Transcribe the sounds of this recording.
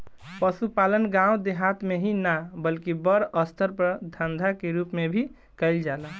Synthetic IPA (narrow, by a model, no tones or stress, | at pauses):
pəsupalənɡãũd̪eɦat̪meɦinabəlkibəɾəst̪ʰəɾpəɾd̪ʱənd̪ʱakeɾupmebʱi | kəɪld͡ʒalə